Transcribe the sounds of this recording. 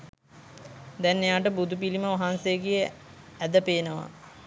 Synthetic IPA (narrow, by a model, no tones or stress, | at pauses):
d̪ɛnːejaːʈəbud̪upiliməʋaɦansejəɡijə | æd̪əpeːnəʋa̰